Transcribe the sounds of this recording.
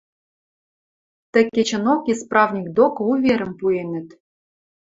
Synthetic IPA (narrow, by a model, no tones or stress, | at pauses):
t̪ɘ̆kʲːet͡ɕɘ̆nokisprɑvnʲik̚d̪okɤuvʲeɾɘ̆mpuenɘ̆t̪